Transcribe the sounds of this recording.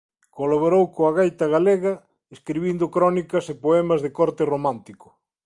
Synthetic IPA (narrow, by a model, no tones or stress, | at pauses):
kolaβoɾowkoɐɣajt̪ɐɣaleɣɐ | eskɾiβind̪ʊkɾɔnikɐsepoɛmɐzðɪkɔɾt̪ɪromãnt̪ikʊ̥